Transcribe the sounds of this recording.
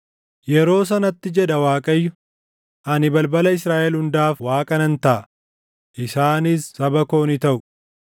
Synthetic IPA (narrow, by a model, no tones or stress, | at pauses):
jɛɾo̞ːs̬ɐnɐt̪ːɪd͡ʒɛd̪ɐwaːkʼɐjːʊ | ʔɐnɪbɐlbɐlɐɪsɾaːʔɛlhʊnd̪aːfwaːkʼɐnɐnt̪ɐʔɐ | ʔɪsaːnɪsːɐbɐko̞ːnɪt̪ɐʔʊ